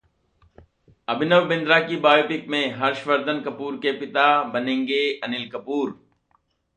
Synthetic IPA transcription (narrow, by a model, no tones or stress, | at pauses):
ɐbɪnəʋbɪ̃nd̪ɾakibaːjoːpɪk̚mẽɦɐɾʃfəɾd̪ənkɐpuːɾkepɪt̪abɐnẽːŋɡeɐnɪlkɐpuːɾ